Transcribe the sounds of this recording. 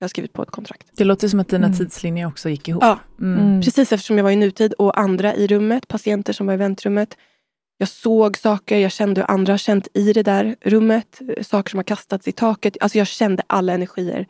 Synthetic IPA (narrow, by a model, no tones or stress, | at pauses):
jɑːhaskɾiːvɪt̪pʰɔ̰ɛ̰t̪̚kʰɔnt̪ʰɾak̚t̪d̪̥ɛloːt̪əjsɔmat̪̚d̪iːnat̪ʰiːd̪slɪnjəɾɔksɔjɪkːɪhṵːɑːpʰɾɛsiːsɛft̪əʂɔmjɑːɡvaɾɪnʉ̟ːt̪ʰiːd̪ɔʔand̪ɾaʔɪɾɵmːət̪pʰasɪɛnt̪əʂɔmvaɾɪvɛnt̪ɾɵmːət̪ | jɑːɡsoːɡsɑːkəɾjɑːɡɕɛnd̪əɔ̰ʔa̰nd̪ɾahaɕɛnt̪ɪd̪ɛd̪æːɾɾɵmːət̪sɑːkə̥ʂɔmhaɾkʰast̪at̪sɪt̪ʰɑːkət̪alsɔjɑːɡɕɛnd̪əʔalːaɛnæɾɧiːə̰ɾ